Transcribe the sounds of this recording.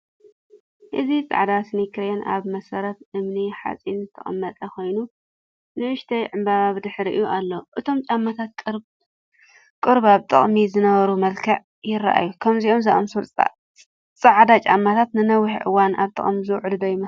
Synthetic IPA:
ʔɨzit͡sʼa̰ʕd̪asnikʰɾenʔa̰βmɐsɐɾɐt̪ʔɨmniħa̰t͡sʼinzɨt̪ʰɐχʼɐ̰mːɐt̪ʼɐkʰo̞jnu | nɨʔɨʃt̪ʰɐjʕɨmbaβaβd̪ɨħɾiʔjuʔalːoʔɨt̪ʰo̞mt͡ʃʼamːat̪ʰat̪̚kʼɾ | kʼɨɾbaβt̪ʼɨ̰χʼmizɨnɐβɐɾumɐlkʰɐʕ | jɪɾːa̰ʔa̰jukʰɐmziʔo̞mzaʔʼɐmsult͡sʼa̰ | t͡sʼaʕd̪at͡ʃʼamːat̪ʰat̪nɨnɐwːiħʕɨ̰wana̰βt̪ʼɐ̰χʼmizɨwʕd̪ɨd̪ɐjmɐ

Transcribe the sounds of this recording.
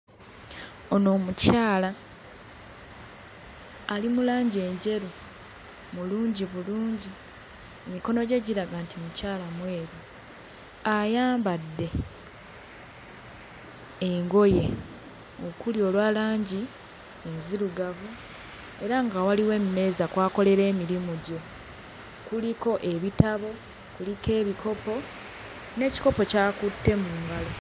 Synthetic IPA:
o̞no̞ːmucaːla | limulaːɲɟie̞ɲɟe̞ɾu | muluːɲɟiβuluːɲɟi | emiko̞no̞ɟe̞ɟiɾaɡantimucaːlamwe̞ːɾu | ajaːmbadːe̞ | ŋɡo̞je̞ | o̞kulio̞ːlwaːlaːɲɟi | enziɾuɡavu | e̞ɾaŋɡawaliwe̞mme̞ːzakwaːko̞le̞ɾe̞ːmiɾimuɟo̞ | kuliko̞ʔe̞βitaβo̞ | kulike̞ːβikʰo̞po̞ | ne̞ːci̥ko̞po̞caːkutːe̞muːŋɡalo

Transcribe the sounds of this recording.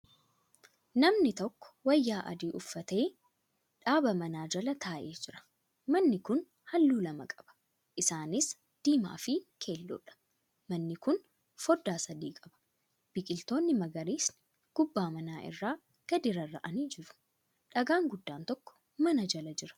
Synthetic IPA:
nɐmnɪt̪ɔkːɔ̥wɐjːaːʔɐ̰d̪iːʔʊfːɐt̪e̞ː | ᶑaːbɐmɐnaːd͡ʒɐlɐt̪ʰaːʔe̞ːd͡ʒɪɾɐ̥ | mɐnːɪkʊn | hɐlːuːlɐmɐkʼɐ̥b̥ɐ̥ | ʔɪsaːnɪs | d̪̥iːma̰ːfɪkʰe̞ːlːʊ̰ːᶑɐ̥ | mɐnːɪkʊn | fɔd̪ːaːsɐd̪iːkʼɐbɐ̥ | b̥ɪkʼɪlt̪o̞ːnːɪmɐɡɐɾiːsnɪ | ɡ̥ʊbːaːmɐnaːʔɪ̰rːaː | ɡ̥ɐd̪ɪɾɐrːɐ̰ʔɐniːd͡ʒɪɾʊ̥ | ᶑɐɡaːŋɡʊd̪ːaːnt̪ɔkːɔ̥ | mɐnɐd͡ʒɐlɐd͡ʒɪɾɐ̥

